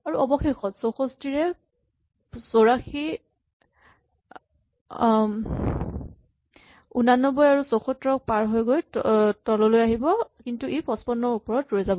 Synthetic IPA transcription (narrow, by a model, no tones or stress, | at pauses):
aɹuɔbɔxexɔtsoxostiɹɛ | soɹaxi | unanːɔbɔjaɹusoxɔtɹɔk̚paɹɦojɡojtɔlɔlojaɦibɔkintuejpɔspɔnːɔɹupɔɹɔtɹojzabɔ